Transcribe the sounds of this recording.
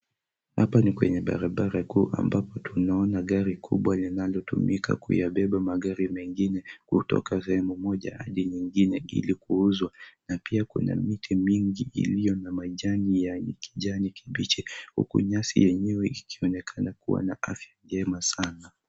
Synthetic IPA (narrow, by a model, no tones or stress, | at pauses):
ha̰panikwɛ̰ɲɛɓa̰ɾaɓaɾakuːʔa̰mbapɔtunaɔnaɠaɾikʰuɓwalinalɔtumika̰kṵjaɓɛɓamaɠaɾimɛŋɡinɛkutɔ̰kas̬ɛhɛmumɔʄa̰ha̰ɗiɲiŋɡinɛḭlikuuzwanapiakuna̰mitʰimiŋɡiʔḭlijɔnamaʄanijaɲɛki̥ʄanikʰiɓit͡ʃɛhṵkṵɲasḭjɛɲɛwɛikʰiɔnɛkʰanakṵwa̰naafjaɡɛmasana